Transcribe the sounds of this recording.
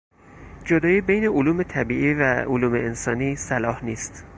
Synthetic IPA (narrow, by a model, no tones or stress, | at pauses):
d͡ʒod̪ɒːjiːbejne̞ʔoluːme̞t̪ʰæbiːʔiːvæoluːmeensɒːniːsælɒːhniːst̪